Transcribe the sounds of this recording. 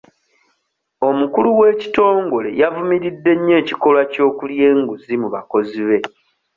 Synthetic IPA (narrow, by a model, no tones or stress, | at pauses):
o̞mukuluwe̞ːci̥to̞ːŋɡo̞le̞̰javumiɾidːe̞ɲːe̞ːci̥ko̞lwaco̞ːkulje̞ːŋɡuzimuβako̞ziβe̞